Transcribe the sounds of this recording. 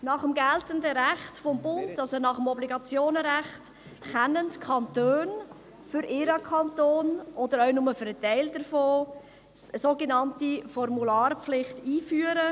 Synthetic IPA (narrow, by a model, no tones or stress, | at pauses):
nɑχəmɡɛltəndəɾæχtfɔmbʊntɑlsonɑχəmɔbliɡɑt͡sjoːnɾæχt | kɛnəntkʰɑntøːn | fʏɾʔɪɾɑkʰɑntoːnʔɔdəɾœʏnʊməfɛɾtɛɪldəɾfoː | əsoːɡenɑntifɔrmulɑːrpflɪχtiːfyːəɾə